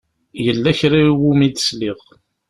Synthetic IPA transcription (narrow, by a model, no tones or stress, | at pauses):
jəlːæçɾawumid̪əsliʁ